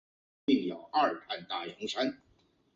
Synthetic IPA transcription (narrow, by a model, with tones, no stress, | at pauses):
i˥˩pjɑ̰˨˩ʊʔa˥˩a˥˧nt̪a˥˩ji˧˥ŋʂa˥n